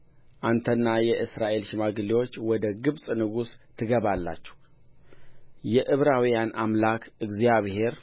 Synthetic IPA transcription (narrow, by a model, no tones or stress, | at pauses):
ʔant̪ʰənːajɛʔɨsɾaʔe̞lʃɪmaɡɨlːiwo̞t͡ʃːwɔd̪əɡɨβsʼnɨɡust̪ʰɨɡəβalːa̰t͡ʃːɛ̥h | jɛʔɨβɾawijanamlakʰɨɡzijaβhe̞ɾ